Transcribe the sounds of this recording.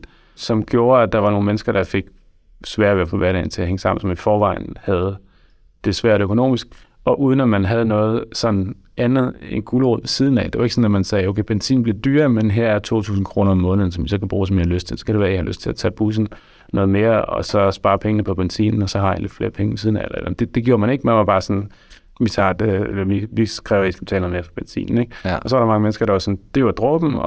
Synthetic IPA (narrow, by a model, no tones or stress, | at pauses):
sɒ̽mɡ̥jo̝ːɐæd̥ɑ̈ʋɑ̈no̝ːn̩menəsɡ̥ɐɾ̥ɑ̈fe̝ɡ̥ | sʋæɐ̰ʋeɐfʰɒ̽ʋæɐɾɛ̰ɪn̩t͡sʰe̝æɦeŋəsɑ̈m̰n̩sɒ̽mifɒːʋɑ̈ɪn̩hæð̞̩ˠ | d̥e̝sʋæɐ̰ɾ̥økʰo̝no̝̰ːmisɡ̥ | ɒ̽ʔuːð̞ˠən̩æmænɦæð̞̩ˠnɔ̽ːð̞̩ˠsɒ̽nn̩ | ænð̞̩ˠe̝nɡ̥ulo̰ðˠʋesið̞ˠn̩ɛ̰d̥e̝ʋɑ̈eɡ̥sɒ̽næmænsɛːoʊkʰeɪb̥ensḭːn̩b̥le̝d̥yːɐmenɦæɐ̰æɐt͡sʰo̝̰ːt͡sʰṵːsn̩kʰʁo̝ːnɐɒ̽mːɔ̽ːnð̩ˠsɒmisɒ̽kʰæb̥ʁuːs̬ɒ̽mihɑløsd̥t͡sʰe̝lsɒ̽kʰæɾe̝ʋæːɐihɑløsd̥t͡sʰe̝læt͡sʰɛ̰ːb̥us̬n̩ | nɔ̽ːðˠme̝ːɐɒ̽sɒ̽sb̥ɑ̈ːpʰeŋnəpʰɒ̽b̥ensḭnn̩ɒ̽sɒ̽hɑ̈hæ̰nle̝d̥fle̝ːɐpʰeŋəʋesiːð̞ˠnæelɐeld̥e̝d̥e̝ɡ̥jo̝ːɐmæne̝ɡ̥mænʋɑ̈b̥ɑ̈ːsɒ̽n | ʋit͡sʰɑ̰̈d̥eelɐʋiʋikʰʁɛʊisɡ̥t͡sʰɛ̰ːlnoð̩ˠmeːɐfɒb̥ensḭːnn̩eɡ̥ɒsɒ̽ʋɑɾɑ̈mɑ̈ŋəmensɡ̥ɐɾ̥ɑ̈ʋɑ̈sɒ̽nd̥eʋɑd̥ʁɔ̽b̥n̩ɒ̽